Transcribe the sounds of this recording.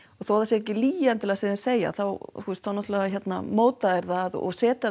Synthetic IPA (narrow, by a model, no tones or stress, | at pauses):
ɔɣθowaðasjɛɛhcɪliːjant̪ʰɪlasɪðɪ̥seːja̰θawθust̪θawnɔt̪lɛɣaçjɛt̪na̰moːwt̪aðɛɾðaðɔ̰ɣsɛːt̪a